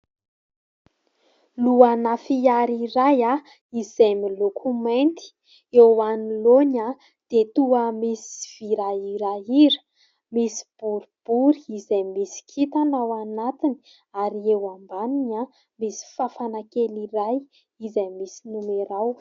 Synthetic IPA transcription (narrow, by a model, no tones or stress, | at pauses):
luanafiaɾiɾaja | izajmilokʰument̪i̥ | ewaniloɲa | d̪̥et̪uəmisi̥v̥iɾaiɾaiɾə̥ | misi̥b̥uɾib̥uɾiizajmisi̥kʰit̪anawanat̪ini̥ | aɾiewambaniɲa | misi̥fafanakeliɾaj | izajmisinumeɾaw